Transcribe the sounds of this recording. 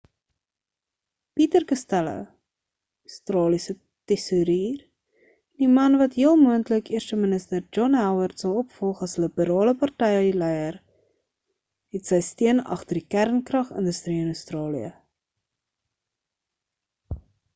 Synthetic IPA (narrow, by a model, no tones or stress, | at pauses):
pitərkəstælə̰ | əstrɑːlisə | tɛsuɾiːr | dimɐnvɐtɦiəlˠmuəntləkiərʃəmənəstərd͡ʒɔnɦæwərtsɐlˠɔpfɔlˠχɐsləbəɾɑːləpɐrtɛjəlɛjər | ɦɛtsəjstiənɐ̰χtərdikærnkrɐχə̰ndəstriənəstrɑːlḭə̰